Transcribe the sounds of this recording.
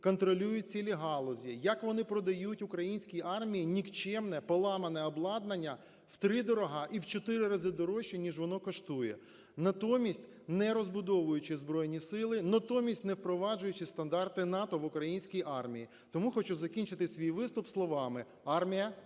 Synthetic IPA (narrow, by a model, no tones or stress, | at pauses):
kɔnt̪ɾɔlʲujʊt̚ʲt͡sʲilʲiɦɑlˠɔzʲijɐkʋɔnɪpɾɔd̪ɐjutʲʊkɾɐjinʲsʲkʲiʔɑrmʲijinʲikt͡ʃɛmnɛpɔlˠɑmɐnɛɔblˠɑd̪̚nɐnʲːɐ | wt̪ɾɪd̪ɔɾɔɦɑʔiwt͡ʃɔt̪ɪɾɪɾɐzɪd̪ɔɾɔʃːinʲiʒʋɔnɔkɔʃt̪ujɛ̰ | nɐt̪ɔmʲisʲtʲ | nɛɾɔzbʊd̪ɔʋʊjʊt͡ʃɪzbɾɔjnʲisɪlˠɪnɐt̪ɔmʲisʲtʲnɛwpɾɔʋɑd͡ʒʊjʊt͡ʃɪst̪ɐnd̪ɑrt̪ɪnɑt̪ɔʋʊkɾɐjinʲsʲkʲijʔɑrmʲiji | t̪ɔmuxɔt͡ʃuzɐkʲinʲt͡ʃɪt̪ɪsʲʋʲijʋɪst̪ʊpslˠɔʋɑmɪ | ɑrmʲijɐ